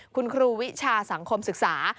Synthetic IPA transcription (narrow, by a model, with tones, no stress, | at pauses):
kʰu˧nkʰɾuː˧wi˦˥t͡ɕʰaː˧sa˩˦ŋkʰo˧msɯ˨˩k̚saː˩˦